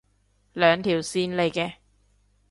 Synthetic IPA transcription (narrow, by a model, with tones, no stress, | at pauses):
lœː˨ŋt̪ʰiː˨˩wsiː˧nle˨˧jkɛː˧